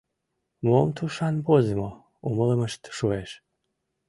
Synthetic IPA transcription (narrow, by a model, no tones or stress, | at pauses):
momt̪ʰuʃanbozɨmo | umələməʃt̪ʃueʃ